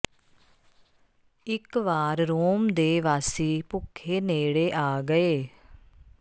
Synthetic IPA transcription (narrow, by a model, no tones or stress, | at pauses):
ɪkʋaːɾɾoːmd̪eːʋaːsiːpʊkʰːeːneːɽeːʔaːɡəeː